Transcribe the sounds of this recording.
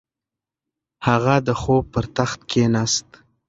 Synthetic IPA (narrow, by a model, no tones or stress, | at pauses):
haɣad̪əxob̚pəɾt̪axt̪̚kʰenast̪